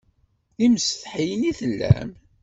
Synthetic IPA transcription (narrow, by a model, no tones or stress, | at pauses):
imsθħijəniθəlːæ̰m